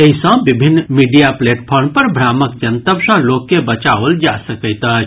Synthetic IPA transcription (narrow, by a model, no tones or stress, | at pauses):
eɦisə̃bibʱinːmiɖijapleʈpʰɔɾmpəɾbʱɾaməkd͡ʒənt̪əbsə̃lokːebət͡ʃaəld͡ʒasəkəɪt̪ət͡ʃ